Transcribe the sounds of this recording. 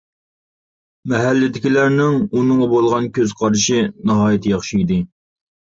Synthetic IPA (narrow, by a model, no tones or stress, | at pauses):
mɛɦælːɪd̪ɪkʲilæɾnɪŋunɨŋɑbolˠʁɑnkʲʰøz̥qʰɑɾʃinɑɦɑːjit̪ʰjɑχʃijd̪ɪ